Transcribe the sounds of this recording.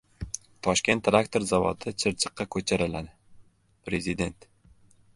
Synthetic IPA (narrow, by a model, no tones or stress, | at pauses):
t̪ʰɒʃkʲe̞nt̪ːɾakt̪ʰo̞ɾzavɒ̰t̪ʰɪt͡ʃʰɪɾt͡ʃʰɨ̥qːɑkʰɵt͡ʃʰaɾɪlad̪ɪ | pɾe̞zɪd̪e̞nt̪